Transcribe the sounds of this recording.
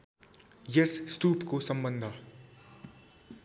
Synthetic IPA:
jesst̪uːpkosʌmbənd̪ʱa

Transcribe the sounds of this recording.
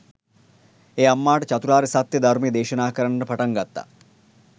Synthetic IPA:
eːɐmːaːʈɐt͡ʃɐt̪uɾaːɾisɐt̪jɐd̪ɐɾmijːd̪eːʃɐnaːkɐɾɐɳɐɾɐpʰɐʈɐŋɡɐt̪ːa̰

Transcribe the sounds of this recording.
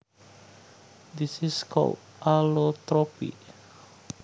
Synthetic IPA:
d̪isiskʰɔ̰lt̚ | ʔalot̪ɾɔpḭʔ

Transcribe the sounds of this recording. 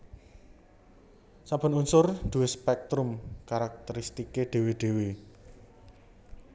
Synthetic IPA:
sab̥ə̤nunsʊrd̪̥uwespɛk̚t̪ɾʊmkaɾak̚t̪əɾist̪ikeɖ̪̥e̤wiɖ̪̥e̤wi

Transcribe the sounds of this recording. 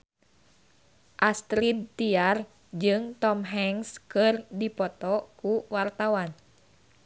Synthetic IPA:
ʔast̪ɾid̪̚t̪iar | d͡ʒɨŋt̪ɔmɦɛŋskɨrdipɔt̪ɔkuwart̪awan

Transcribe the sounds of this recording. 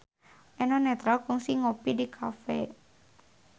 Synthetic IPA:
ʔɛnɔnɛt̪ɾalkuŋsiŋopidikʰafɛ̰

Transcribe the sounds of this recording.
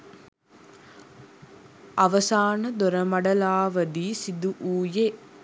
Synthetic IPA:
ɐʋɐsaːnɐd̪oɾɐmɐɽɐlaːʋɐd̪iːsid̪uʔuːje

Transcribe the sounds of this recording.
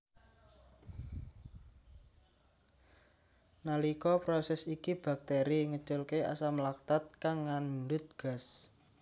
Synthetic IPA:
nalikɔpɾɔsɛsikib̥a̤k̚t̪eɾiŋə̥t͡ʃʊlkea̰samlak̚t̪at̪̚kaŋːanmund̪ʊt̪̚ɡ̥a̤s

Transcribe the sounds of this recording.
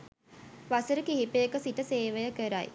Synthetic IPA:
ʋasəɾəkiɦipəjəkəsiʈəseːʋəjəkəɾaj

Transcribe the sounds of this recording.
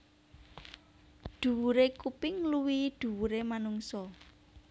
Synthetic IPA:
ɖ̪̥ṳwuɾekupɪŋluwid̪̥ṳwuɾemanuŋsɔ

